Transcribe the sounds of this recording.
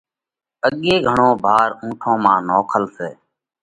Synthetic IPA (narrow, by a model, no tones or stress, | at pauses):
əɠeːɡʱəɳõːbʱaːɾũːʈʰõːmãːnoːkʰəlseː